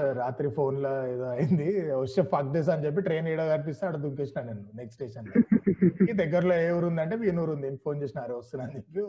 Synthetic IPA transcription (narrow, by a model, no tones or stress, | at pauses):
ɾaːt̪ɾipʰo̞ːnloed̪oːɐjind̪ioʃepʰɐkɖes̬ɐnd͡ʒep̬ːiʈɾe̞ːniːɽaɡɐɾp̬ist̪unɐɽɐd̪uŋkesinanenːuneksʈeːsɐn | id̪ɛɡːɐɾloeːʋɐɾund̪ɐɳʈeːʋiːnoːɾund̪inpʰo̞ːnt͡ʃeːsinaːɾuʋɐst̪unaːnepːi